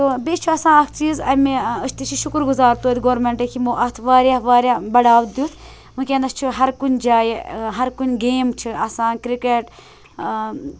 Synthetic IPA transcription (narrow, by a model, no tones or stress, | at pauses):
t̪oːbet͡ʃʰuɐsãːɐkt͡ʃiːzɐmeəʃt̪it͡ʃʰiʃukɾɡuzaːɾt̪ud̪iɡoːɾmeɳʈekʰimuːʔɐt̪ʰʋaːɾʲjaːʋaːɾjaːbɐɽaːʋt̪̚d̪juːt̪ʰ | mɨkʲeːnd̪ɐst͡ʃʰuɦɐɾkunʲd͡ʒaːjeɦɐɾkunʲɡeːmt͡ʃʰiɐsãːnkɾikeʈ